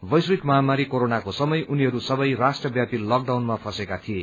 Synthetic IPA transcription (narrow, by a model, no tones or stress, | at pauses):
bʌjsikmʌɦamaɾikoɾonakosʌmʌjʔuniɦʌɾusʌbʌjrasʈrʌbjapilʌk̚ɖawnmapʰʌsekat̪ʰie